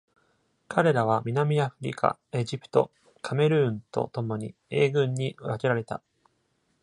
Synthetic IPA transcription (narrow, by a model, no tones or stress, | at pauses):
kʰaɾe̞ɾaβ̞amʲinamʲiaɸɯ̟ɾʲḭkʰa̰e̞ʑipɯ̥t̪o̞̰ | kʰame̞ɾɯ̟ːnt̪o̞̰t̪o̞mo̞ɲ̟ḭe̞ːɡɯ̟̃ɲ̟ːiβakeɾaɾe̞t̪a̰